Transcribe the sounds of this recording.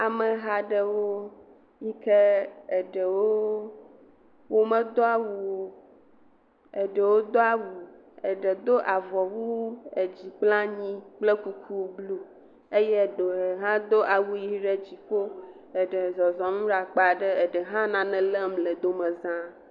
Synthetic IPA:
a˨mə˨ɦa˨ɖə˦wo˦ | ɲi˦ke˦e˨ɖə˨wo˦ | wo˦mə̃˦d̪o˦a˨wu˨wo˦ | e˨ɖə˨wo˦d̪o˦a˦wu˨ | e˨ɖə˨d̪o˦ʔa˨vɔ˨wu˦e˨d͡ʑi˨k͡plã˦ɲĩ˦k͡ple˦ku˦kʰu˦wblu˦ | e˦jɛ˦˨ɖo˨ɦã˦d̪o˦ʔa˨wu˦ji˦ɖe˦d͡ʑi˨k͡po˦ | e˨ɖə˨zɔ˨zɔ˨mũ˦ɖa˨k͡pa˨ɖə˦e˨ɖɛ˨ɦã˦nã˨nɛ̃˨lɛ˦m˦le˨d̪o˦mɛ̃˨zã˦

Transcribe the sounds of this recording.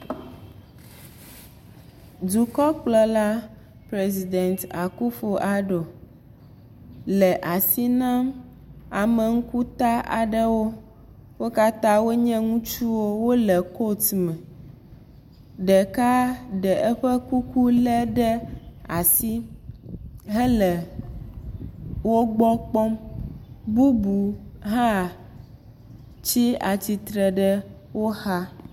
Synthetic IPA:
du˨kɔ˦k͡plɔ˨la˦ | pɾe˨zi˨d̪ɛ˨nt̪a˨ku˦ɸo˨ʔa˨ɖo˨ | lɛ˨ʔa˨si˦nã˦m | a˨mɛ̃˨ŋ̩˦ku˦t̪a˦ʔa̰˨ɖɛ˦wo˦ | wo˦ka˦t̪ã˦wo˦ɲɛ̃˦ŋũ˦t͡ʃu˦wo˦wo˦lɛ˨ko˦t̪mɛ̃˨ | ɖɛ˨ka˦ɖɛ˨ʔɛ˦ɸə˦ku˦ku˦lɛ˦ɖɛ˦a˨si˦ | ɦɛ˦lɛ˨ | wo˦ɡ͡bɔ˦k͡pɔ˦m | bu˦bu˨ɦã˦˨ | t͡ɕi˦a˨t͡ɕi˨t̪ɾɛ˨ɖə˦wo˦ha˦

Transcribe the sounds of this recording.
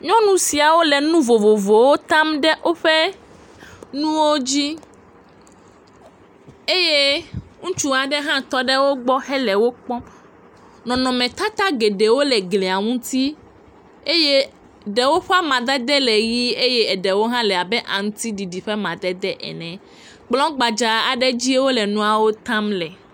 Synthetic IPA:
ɲɔ̃˦nũ˦si˨a˨wo˦le˨nũ˦vo˨vo˨vo˨wo˦t̪ã˦mɖɛ˦ʔo˦ɸe˦ | nũ˦wo˦d͡ʑi˦ | e˦je˦ŋũ˦t͡ʃu˦a˨ɖɛ˦ɦã˦t̪ɔ˦ɖe˦wo˦ɡ͡bɔ˦hɛ˦lɛ˨wo˦k͡pɔ̃˦ | nɔ̃˨nɔ̃˨mɛ̃˨t̪a˦t̪a˦ɡe˨ɖe˨wo˦lɛ˨ɡle˨a˨ŋũ˦t̪i˦ | e˦je˦ | ɖɛ˨wo˦ɸa˦mã˨d̪ɛ˦d̪ɛ˦lɛ˨ɣi˦e˦je˦ɛ˨ɖe˨wo˦ɦã˦lɛ˨a˨bɛ˦ʔa˨ŋũ˦t̪i˦ɖi˨ɖi˨ɸe˦mã˨d̪ɛ˦d̪ɛ˦ʔɛ̰˨nɛ̃˨ | k͡plɔ̃˦ɡ͡ba˨d͡ʒa˨a˨ɖɛ˦d͡ʑi˦wo˦lɛ˨nũ˦a˨wo˦t̪ã˦mlɛ˨

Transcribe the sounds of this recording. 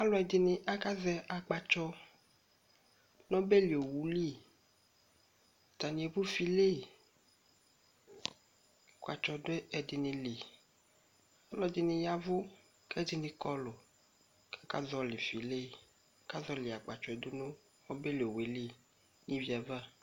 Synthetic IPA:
a˦lɔ˦ɛ˨dɪ˨nɪ̃˨ʔa˦ka˦zɛ˦ʔa˨ɡ͡ba˨t͡ʃɔ˦ | nɔ̃˦be˦li˨o˨wu˨li˦˨ | t̪a˨nĩ˨e˨bu˦fi˨le˦˨ | a˨kʷa̰˨t͡ʃɔ˨de˦ɛ˨dɪ˨nɪ̃˨li˨ | a˦lɔ˦dɪ˨nɪ̃˨ja˨vo˦ | kɛ˦dɪ˦nɪ̃˨kɔ˦lo˨ | ka˦ka̰˦zɔ˦lɪ˨fi˨le˦˨ | a˦ka˦zɔ˦lɪ˨a˨k͡pa˨t͡ʃɔ˨ɛ˨do˦nõ˦ | nɔ̃˦be˦li˨o˨we˨li˦ | nĩ˦vi˦a˨va˦

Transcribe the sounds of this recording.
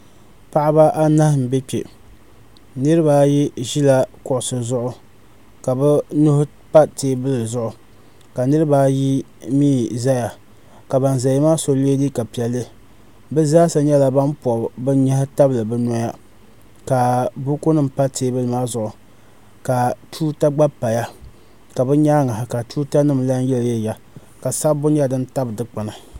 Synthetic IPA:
pa˦ʔɪ˦ba˦ʔa˦na˦hm̩˨bɛ˦k͡pe˨ | nɨ˦ɾɨ˦ba˦ji˦ʒi˦la˦kʊ˦˨ʔʊ˨sɨ˨zʊ˦ʔʊ˨ | ka˨bɛ˦nʊ˦hʊ˦ | pa˦teː˦bɨ˦lɨ˨zʊ˦ʔʊ˨ | ka˨nɨ˦ɾɨ˦baː˦ji˦ | miː˦za˦ja˨ | ka˨ba˨n˨za˨ji˦maː˦so˨le˦di˦ka˨pi˨ɛ˨lːɨ˦ | bɛ˦zaː˦sa˨ɲɛ˦la˦ba˦mpɔ˨bɨ˦ɲɛ˦hɪ˦ta˦blɨ˨bɛ˦nɔ˦ja˦ | ka˨bu˦ku˦nɨ˦mpa˦teː˦bɨ˦lɨ˨maː˦zʊ˦ʔʊ˨ | ka˨tʰuː˦ta˦ɡ͡ba˦pa˨ja˦ | ka˨bɛ˦ɲaː˦ŋa˨hɪ˨ka˨tuː˦ta˦nɨ˦mla˦n˦jɛ˦ljɛ˦˨ja˦ | ka˨sa˦bʊ˦ɲa˦dɨ˦nta˦bdɨ˦k͡pɨ˨na˨

